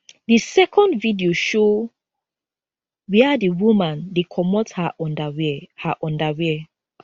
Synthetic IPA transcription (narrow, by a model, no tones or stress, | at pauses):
disɛkʰɔ̃ndvidioʃo | wiadiwumãndekʰɔmɔthaʔɔ̃ndawhaʔɔ̃ndawɛ